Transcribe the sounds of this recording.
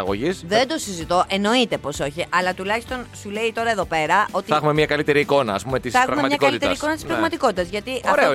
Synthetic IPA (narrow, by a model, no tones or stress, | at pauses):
ɐɣoʝisðend̪o̞sizit̪o̞ʔe̞no̞it̪e̞po̞so̞çiʔɐlɐt̪ulɐçi̥st̪o̞nsule̞it̪o̞ɾɐe̞ðo̞pe̞ɾɐo̞t̪iθexume̞mɲɐkɐlit̪e̞ɾiːko̞nɐ̰ːspume̞t̪isθɐexɾɐmemɐmɲɐkɐlit̪eɐɾikonɐt̪ispɾɐɣmɐt̪iko̞t̪it̪ɐzʝɐt̪iʔɐ